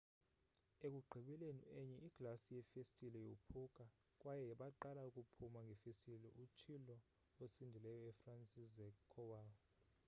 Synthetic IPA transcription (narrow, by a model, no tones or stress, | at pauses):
ek̬ʼuɡ͡ǃʱiɓɛleniɛɲɛiɡ̥lasijɛfestʼilɛjopʰukʼa | kʼwajɛɓaǃalaukʼupʰumaŋɡʱɛfestʼilɛʔut͡ʃʰilɔ | osindʱilɛjɔɛfransʼizɛkʰːɔwaɔ